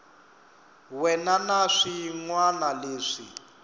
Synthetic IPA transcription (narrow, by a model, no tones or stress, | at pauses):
wɛnanaʂiŋwanaleːʂḭ